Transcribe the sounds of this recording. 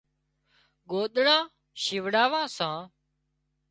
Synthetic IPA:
ɡoːɗ̪ɳãː | ʃɪʋɽaːʋãːsãː

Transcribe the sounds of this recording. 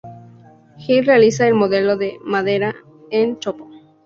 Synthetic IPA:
xilrealisaelmoðeloðemaðeɾa | ent͡ʃopo

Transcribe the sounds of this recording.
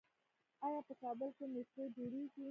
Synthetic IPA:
ɑjɑpəkɑbəlkemɪsed͡ʒoɽeɡi

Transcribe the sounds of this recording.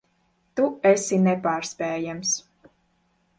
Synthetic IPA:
t̪uɛsinɛpaːɾspʲɛːjams

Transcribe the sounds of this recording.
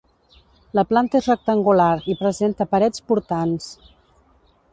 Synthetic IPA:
ləplant̪əezrək̚t̪əŋɡulaɾipɾəzent̪əpəɾɛt͡spuɾt̪ans

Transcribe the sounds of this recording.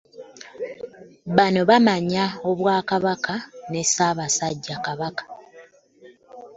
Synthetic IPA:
βano̞βamaɲao̞βwaːkaβakʰane̞saːβasaɟːakaβakḁ

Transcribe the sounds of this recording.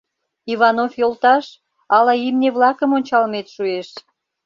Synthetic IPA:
iβɑnofjolt̪ɑʃ | ɑlɑimneβlɑkəmonʲt͡ɕɑlmet̪ʃueʃ

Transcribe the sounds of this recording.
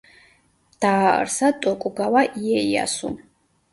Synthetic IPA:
d̪̥aːə̰ɾsat̪ʼɔkʼuɡawaʔijɛija̰sṵ

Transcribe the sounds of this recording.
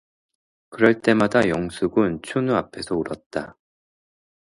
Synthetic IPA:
kɯɾʌɭt͈e̞madajʌŋsʰuɡɯnt͡ɕʰunuapʰe̞sʰʌuɾʌt̚t͈a

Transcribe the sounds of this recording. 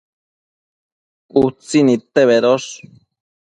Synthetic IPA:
ut͡sinit̪eβeɾos

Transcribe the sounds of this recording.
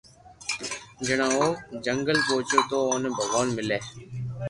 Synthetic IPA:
d͡ʒɪɽ̃ãːoːd͡ʒəŋɡəlpoːt͡ʃoːt̪oːoːnːbʱəʋaːnmɪleː

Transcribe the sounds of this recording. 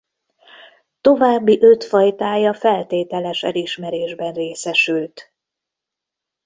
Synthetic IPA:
t̪o̞vaːbːiʔø̞t̪fɒjt̪aːjɒfɛlt̪eːt̪ɛlɛʃɛ̰liʃmɛɾeːʒbɛnreːsɛʃylt̪

